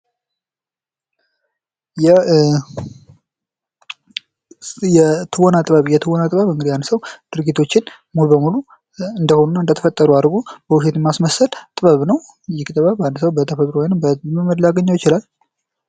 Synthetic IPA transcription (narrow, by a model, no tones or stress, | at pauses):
jɛ | jɛt̪ʰɨwonat̪ʼɨβəβjɛt̪ʰɨwonat̪ʼɨβəβɨŋɡɨd̪ijanːsəwd̪̥ɨɾɡit̪ʰo̞t͡ʃːɪn | mulubəmulu | ɨnd̪əho̞nunːaɨnd̪ət̪ʰəfət̪ʼːəɾuaɾɡobəwʊʃ̬et̪ɛmasməsəlt̪ʼɨβəβnəw | jɪkʼt̪ʼɨβəβand̪səwbət̪ʰəfət̪ʼɾowojnɨmbəmməd̪laɡəɲːawjɪt͡ʃɪlal